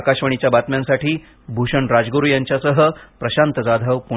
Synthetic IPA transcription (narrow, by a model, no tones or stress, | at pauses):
kaɕʋəɳ̃it͡ɕjabat̪mjãnsaʈʰiː | bʱuɕəɳɾad͡zɡoɾujaɲt͡ɕjasəɦəpɾəɕant̪əd͡zad̪ʱəʋpu